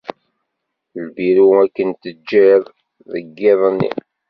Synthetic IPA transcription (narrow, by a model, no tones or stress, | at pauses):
lbiɾuækːənt̪əd͡ʒːið | ðəɡːɪðˤənːḭ